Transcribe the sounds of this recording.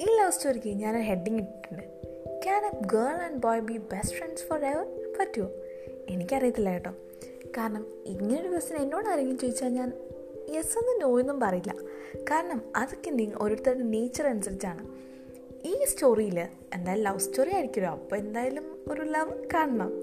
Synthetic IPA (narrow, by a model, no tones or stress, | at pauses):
iːlɐʋstoːrikeɲaːnoɦe̞ɖːiŋiʈːiʈːuɳɖɨ | kanɐɡəːɭɐɳɖboːjbibesʈfɾeɳɖsfoɾeʋɐrpɐtːju | e̞nikʲːɐrijɐt̪ːilːaːjiʈːoː | kaːɾɐɳɐm | iŋːɐneoɽuʋiʋɐst̪ːinenːoːɽɐɾɐŋɡilmt͡ɕeːjit͡ɕːaːlɲaːn | jesonːɨno̞ːjunːumpɐrɐjilːɐ̰kaːɾɐɳɐmɐðokːend̪iŋʔo̞ɾuɽt̪ːɐuɽɨne̞ːt͡ɕːɐrɐnusɐlit͡ɕːaːɳɨ | iːsto̞ːrijilɨ | end̪aːjlmɐʋstoːrijaːjɾikʲːɐɾoːɐpːoːe̞nd̪aːjalumoɾulɐʋkaːɳɐɳɐm